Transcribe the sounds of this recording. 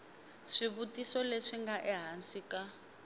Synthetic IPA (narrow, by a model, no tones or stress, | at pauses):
ʂiβutʼisɔleʂiŋɡaʔɛɦansika